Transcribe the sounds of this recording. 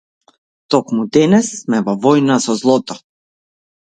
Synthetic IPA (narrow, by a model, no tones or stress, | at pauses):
t̪ɔkmud̪ɛnɛsmɛvɔvɔjnasɔzlˠɔt̪ɔ